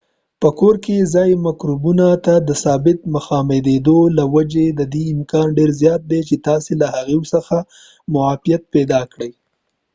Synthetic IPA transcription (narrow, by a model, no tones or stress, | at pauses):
pəkoɾkezɑjmakɾubunat̪ad̪əsɑbɪt̪̚məxɑmed̪ed̪olawad͡ʒed̪əd̪iɪmkɑnɖeɾzjɑt̪̚d̪et͡ʃet̪ɑselahaɣewsəxa | mʊafijat̪̚pɛd̪ɑkɽəj